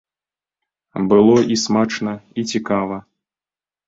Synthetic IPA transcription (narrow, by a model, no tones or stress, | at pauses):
bɨlˠɔʔismat͡ʂnɐit͡sʲikavɐ